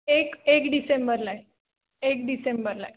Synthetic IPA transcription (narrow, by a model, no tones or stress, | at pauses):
ekekɖisembəɾlaj | ekɖisembəɾlaj